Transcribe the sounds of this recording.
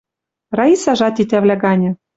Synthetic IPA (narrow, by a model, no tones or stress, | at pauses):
rɑisɑʒɑt̪it̪æβlʲæɡɑnʲɤ̆